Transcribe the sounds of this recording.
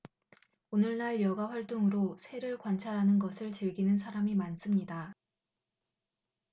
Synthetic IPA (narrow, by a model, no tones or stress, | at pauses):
onɯɭnaɭjʌɡaɸwaɭt͈oŋɯɾosʰe̞ɾɯɭkwant͡ɕʰaɾɦanɯnɡʌsʰɯɭt͡ɕɯɭɡinɯnsʰaɾamimans͈ɯmɲida